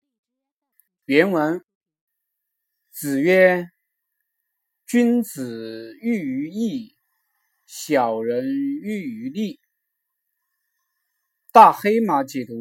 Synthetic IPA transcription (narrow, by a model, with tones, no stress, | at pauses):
pjɛ˧˥nwə˧˥n | t͡sɹ̩˨˩ɥɛ˥ | t͡ɕy˥nt͡sɹ̩˨˩y˥˩y˧˥i˥˩ | ɕjɑ˨˩ʊɻə˧˥ny˥˧y˧˥li˥˩ | t̪a˥˩xe˥ɪma˧˥t͡ɕɛ˨˩t̪u˧˥